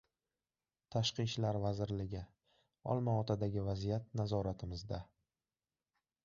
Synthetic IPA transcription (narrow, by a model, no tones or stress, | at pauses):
t̪ʰaʃqɨʃlaɾvazɪɾlɪɡʲɪ | ɒ̰lˠmaɒt̪ʰad̪aɡʲɪvazijat̪̚nazɒɾat̪ʰɪmɪzd̪a